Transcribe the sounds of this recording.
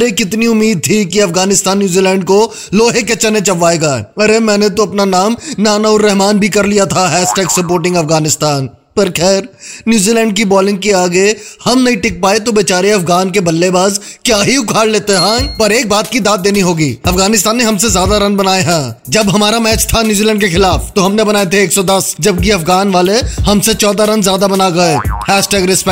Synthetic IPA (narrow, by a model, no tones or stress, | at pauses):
ɾekɪt̪niʊmːiːd̪̚t̪ʰikiɐfɡaːnɪst̪aːnːjuːziːlɛ̃ːɳɖko | loːɦeket͡ʃɐnẽt͡ʃɐʋːaːeːɡaːɐɾemɛ̃ːnet̪̬oɐpnanaːmnaːnaʊɾːɛɦmaːnbʱikɐɾlijat̪ʰaɦɛːsʈɛːksɐp̬oːɾʈɪ̃ŋɡɐfɡaːnɪst̪aːn | pɐɾkʰɛːɾnjuːziːlɛ̃ːɳɖkibɔːlɪ̃ŋɡ̚kiaːɡehɐmnɐɦĩʈɪk̚paːet̪obeːt͡ʃaːɾeɐfɡaːnkebɐlːebaːz | kjaːɦiʊkʰaːɽleːt̪eɦɛ̃ːpɐɾeːk̚baːt̪̚kid̪aːt̪̚d̪eːniɦoːɡiːɐfɡaːnɪst̪aːnːeɦɐmsezjaːd̪aɾɐ̃nbɐnaːeɦɛ̃ːd͡ʒɐbɦɐmaːɾamɛːt͡ʃt̪ʰanjuːzilɛ̃ːɳɖkexɪlaːft̪oɦɐmnebɐnaːet̪ʰeeːksɔd̪ɐsd͡ʒɐb̚kiɐfɡaːnʋaːlehɐmset͡ʃɔːd̪aɾɐ̃nzjaːd̪abɐnaɡɐehɛːʃʈɛːɡɾɪspɛ